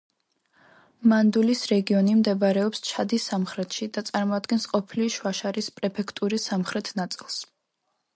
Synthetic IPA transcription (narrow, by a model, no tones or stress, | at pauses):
mand̪ulisɾɛɡiɔnimd̪ɛbaɾɛɔpst͡ʃʰad̪isamχɾɛt̪ʰʃid̪at̪sʼaɾmɔad̪ɡɛnsqʼɔpʰiliʃwaʃaɾispʼɾɛpʰɛkʰt̪ʼuɾisamχɾɛt̪ʰnat̪sʼilˠs